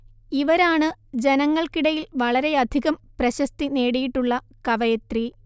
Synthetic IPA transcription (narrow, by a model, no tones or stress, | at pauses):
iʋɐɾaːɳɨd͡ʑe̞nɐŋːɐɭkiɽɐjilʋɐɭɐɾe̞ɐd̪ʱiɣɐmprɐɕɐst̪ine̞ːɽijiʈːuɭːɐ | kɐʋɐjɐt̪ri